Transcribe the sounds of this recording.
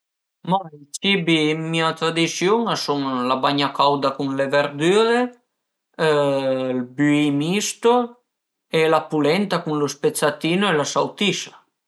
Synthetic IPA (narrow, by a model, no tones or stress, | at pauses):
mat͡ʃibimiat̪ɾad̪isjoŋasuŋlabaɲakawd̪akuŋleveɾd̪yɾe | lbyimist̪o | elapulɛnt̪akuŋlospet̪sat̪iːnoelasawt̪isa